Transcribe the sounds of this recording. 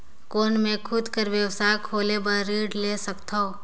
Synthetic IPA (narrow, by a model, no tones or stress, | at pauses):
koːnmẽkʰʊd̪kəɾʋjəwsaːkʰoːlebəɾːiːɖleːsɐkt̪o